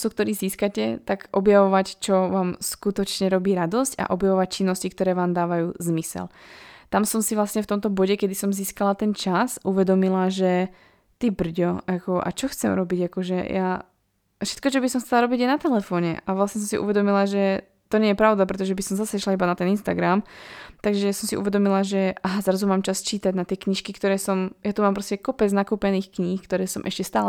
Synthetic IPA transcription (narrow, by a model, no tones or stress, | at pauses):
suk̚t̪ɔɾiːziːskacɛt̪aɡʔɔbjaʋɔʋact͡ʃɔʋaːmskut̪ɔt͡ʃɲɛɾɔbiːɾad̪ɔsca̰ʔɔbjaʋɔʋac̚t͡ʃinːɔscikt̪ɔɾɛːʋaːmd̪aːʋajuːzmisɛ̰lt̪amsɔmsivlasɲɛft̪ɔmt̪ɔbɔɟɛkɛd̪isɔmziːskalat̪ɛnt͡ʃasuʋɛd̪ɔmilaʒɛ | t̪ibr̩ɟɔakɔʔa̰t͡ʃɔxt͡sɛmɾɔbiɟakɔʒɛja | fʃɛ̥t̪̚kɔt͡ʃɔbisɔmxt͡sɛlaɾɔbiɟjɛnat̪ɛlɛfɔːɲɛ̰ʔaʋlasɲɛs̬ɔmsḭʔṵʋɛd̪ɔmilaʒɛ | t̪ɔɲɛjɛpɾaʊd̪apɾɛt̪ɔʒɛbisɔmzasɛiʃlaibanat̪ɛninst̪aɡɾamt̪aɡʒɛasɔmsiʔṵʋɛd̪ɔmilaʒɛʔaɦazɾazumaːmt͡ʃast͡ʃiːt̪aɟnat̪ɪɛkɲiʃkikt̪ɔɾɛːsɔmjat̪umaːmpɾɔscɛkɔpɛd͡znakuːpɛniːxkɲiːxkt̪ɔɾɛːsɔmʔɛ̰ʃcɛst̪aːlɛ